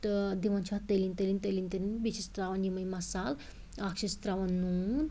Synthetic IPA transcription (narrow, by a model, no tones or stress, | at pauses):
t̪d̪iʋant͡ʃʰat̪əlint̪əlint̪əlint̪əlinbit͡ʃist̪ɾaʋɐnimɐjmɐsal | akʂist̪ɾaʋɐnːun